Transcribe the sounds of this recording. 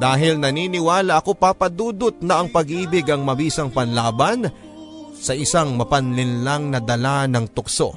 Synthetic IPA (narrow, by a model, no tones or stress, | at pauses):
d̪aːɦɪlnɐniːnɪwaːlɐʔɐko̞papɐd̪uːd̪ʊt̪̚nɐʔɐŋpɐɡʔiːbɪɡɐŋmɐbiːsɐŋpɐnlaːbɐn | sɐʔɪsaŋmɐpɐnlɪnlaŋnɐd̪ɐlanɐŋt̪ʊkso̞̰